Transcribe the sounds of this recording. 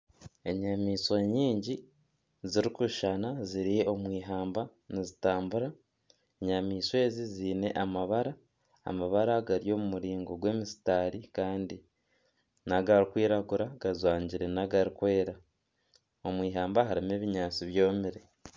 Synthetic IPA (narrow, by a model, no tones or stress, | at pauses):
e̞ɲamiːsweɲiːɲɟi | ziɾikuʃanaziɾijeo̞mwiːɦaːmbanizitaːmbuɾa | eɲamiːswe̞ːziziːne̞ʔamaβaɾa̰ː | maβaɾaɡaɾijo̞ːmumuɾiːŋɡoɡwe̞ːmisi̥taːɾikaːndi | naɡaɾikwiːɾaɡuɾaɡ̥azwaːɲɟiɾe̞naɡaɾikwe̞ːɾa | o̞mwiːɦaːmbaɦaɾime̞ːβiɲaːt͡siβjo̞ːmiɾe̞